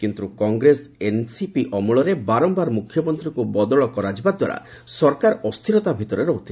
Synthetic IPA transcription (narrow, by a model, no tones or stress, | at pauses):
kint̪ɾukɔŋɡɾesensipiʔɔmuɭɔɾebaɾɔmbaɾmukʰjɔmɔnt̪ɾikubɔd̪ɔɭɔkɔɾad͡ʒbad̪wa̰ɽa̰ | sɔɾkaɾɔst̪ʰiɾɔt̪abʱit̪ɔɾeɾɔɦut̪ʰi̥